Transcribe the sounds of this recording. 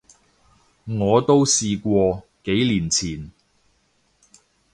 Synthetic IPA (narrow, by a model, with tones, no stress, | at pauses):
ŋɔː˨˧t̪o˥wsiː˧kʷɔː˧ke˨˥jliː˨˩nt͡sʰiː˨˩n